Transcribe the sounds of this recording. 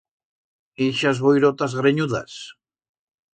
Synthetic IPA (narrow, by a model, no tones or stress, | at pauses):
iʃazβojɾot̪azɣɾeɲuða̰s